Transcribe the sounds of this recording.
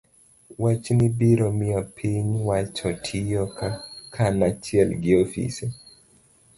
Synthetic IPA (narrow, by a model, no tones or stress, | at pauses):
wat͡ʃnɪbiɾɔmiɔpʰiɲwat͡ʃɔtʰijɔkakʰanat͡ʃiɛlɡɪofḭse